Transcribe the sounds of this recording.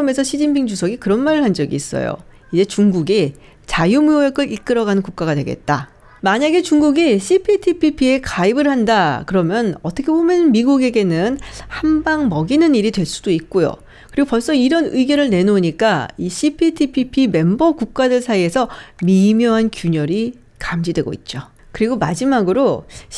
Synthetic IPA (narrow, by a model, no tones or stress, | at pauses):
ʌme̞sʰʌɕʰid͡ʑinpʰiŋd͡ʑusʰʌɡikɯɾʌnmaɾɯɭɦand͡ʑʌɡḭːs͈ʌ̰jo̰ | id͡ʑe̞t͡ɕuŋɡuɡi | t͡ɕajumujojʌk͈ɯɾik͈ɯɾʌɡanɯnkuk̚k͈aɡadwe̞ɡe̞̰t̚t͈a | maɲaɡe̞t͡ɕuŋɡuɡiɕʰipʰitʰipʰipʰie̞kaibɯɭhandakɯɾʌmjʌnʌt͈ʰʌkʰe̞bomjʌnmiɡuɡe̞ɡe̞nɯnhambaŋmʌɡinɯniɾidwe̞ɭs͈u̥d̥oik̚k͈ojo̰ | kɯɾiɡopʌɭs͈ʌiɾʌnɯiɡjʌɾɯɭne̞noɲik͈aiɕʰipʰitʰipʰipʰime̞mbʌkuk̚k͈adɯɭsʰaie̞sʰʌmimjʌɦankjuɲʌɾi | kamd͡ʑidwe̞ɡo̰ḭt̚t͡ɕ͈o | kɯɾiɡomad͡ʑimaɡɯɾo